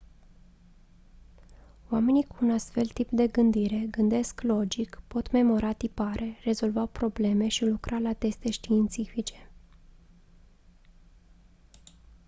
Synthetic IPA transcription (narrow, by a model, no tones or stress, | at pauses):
wame̞nikuːnast̪fe̞lt̪ipd̪e̞ɡɨnd̪iɾe̞ɡɨnd̪e̞sklo̞d͡ʒikpo̞t̪me̞mo̞ɾʔat̪ipaɾʔe̞re̞zo̞lvapɾo̞ble̞me̞ʃilukɾʔalat̪e̞st̪e̞ʃt̪iːnt̪sifit͡ʃe̞̥